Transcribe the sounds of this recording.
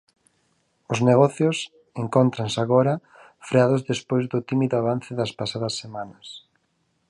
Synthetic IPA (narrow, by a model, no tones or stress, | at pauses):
ʊzneɣɔθjos | eŋkont̪ɾansaɣɔɾɐ | fɾeaðʊzðespojzðʊt̪imiðʊaβan̟θɪðɐspasaðɐsːemanɐs